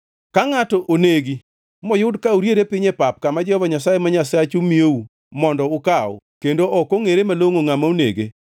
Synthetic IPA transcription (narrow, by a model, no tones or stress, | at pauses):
kaŋatɔʔoneɡi | mɔjʊdkauɾjeɾepɪɲepap̚kamad͡ʒɛhɔaɲasajemaɲasat͡ʃumiou | mɔndɔʊkaɔ̰ | kendoʔɔkoŋeɾemaloŋoŋamaunḛɡḛ